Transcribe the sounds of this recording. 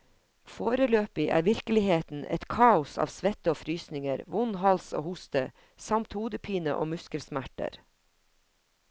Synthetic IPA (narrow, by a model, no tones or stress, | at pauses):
foːɾəløːpɪʔæ̰ːɾʋɪɾkəlɪheːt̪n̩ʔɛ̰t̪kʰɑːʊsɑ̰ːʋsʋɛt̪əoːfɾyːsnɪŋəɾʋʊnhɑlso̰ːhʊst̪ə | sɑmt̪huːd̪əpʰiːnə̰ʔo̰ːmʉskəlsmæʈə̰ɾ